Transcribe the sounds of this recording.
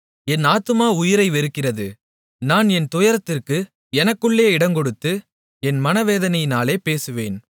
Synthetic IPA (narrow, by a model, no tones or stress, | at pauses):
ɛnaːt̪ːɯmaːʊjɪɾɐɪʋɛɾɯkːɪrɐðɯ | naːnɛnt̪ʊjɐɾɐt̪ːɪrkɯ | ɛnɐkːɯɭːeːɪɽɐŋkɔɽɯt̪ːɯ | ɛnmɐnɐʋeːðɐnɐjɪnaːleːpeːsɯʋeːn